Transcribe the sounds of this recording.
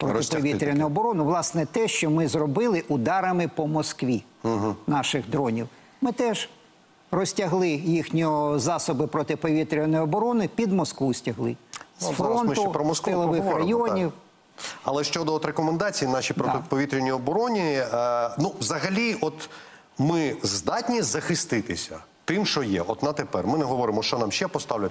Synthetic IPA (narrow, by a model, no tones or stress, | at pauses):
pɾɔt̪ɪpɔʋʲit̪ɾʲɐnʊɔbɔɾɔnʊʋlˠɑsnɛt̪ɛʃt͡ʃɔmɪzrɔbɪlˠɪʔʊd̪ɑɾɐmɪpɔmɔskʋʲi | ɦ̩nɑʃɪɣd̪ɾɔnʲiw | mɪt̪ɛʒ | rɔsʲtʲɐɦlˠɪjixnʲiɔzɑsɔbɪpɾɔt̪ɪpɔʋʲit̪ɾʲɪnɔjɔbɔɾɔnɪpʲid̪mɔskʋusʲtʲɐɦlˠɪ̰sfɾɔnmt̪ʊpɾɔmɔskɪlˠɔʋɪxɾɐjɔnʲiw | ɐlˠɛʃt͡ʃɔd̪ɔɔt̪ɾekɔmend̪ɑt͡sʲijinɑʃʲipɾɔɪpɔʋʲit̪ɾʲɪnʲijɔbɔɾɔnʲi | nuʋzɐɦɐlʲiɔt̪ | mɪzd̪ɑt̪ʲnʲizɐxɪst̪ɪt̪ɪsʲɐ̰ | t̪ɪmʃɔjɛ̰ʔɔt̪nɐt̪epɛrmɪnɛɦɔʋɔɾɪmɔʃt͡ʃɔnɑmʃt͡ʃɛpɔst̪ɑwlʲɐ